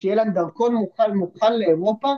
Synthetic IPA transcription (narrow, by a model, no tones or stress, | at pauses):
ʃejeland̪aʁkonmuχalmuχalːeeʁopa